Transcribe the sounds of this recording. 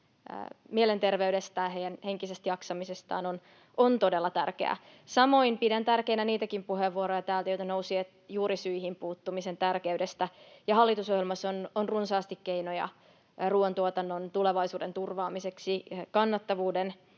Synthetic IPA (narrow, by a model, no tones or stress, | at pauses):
mielent̪e̞rʋeydest̪æːɦejænhe̞ŋkisest̪jɑksɑmisest̪ɑ̰ːnon | ʔont̪ode̞lːɑt̪ærkeæ̰ | sɑmo̞inpidænt̪ærkeinæniːt̪ækimpuɦeʋːuoɾojɑt̪æːlt̪æjojt̪ɑnowsiet̪juːɾisyihimpuːt̪ːumise̞nt̪ærkeydest̪æjɑɦɑlːit̪usoɦjelmɑsːononrunsɑːst̪ikːejnojɑ̰ | ruːont̪uot̪ɑnːont̪uleʋɑjsuːdent̪urʋɑːmise̞ksikɑnːɑt̪ːɑʋuːden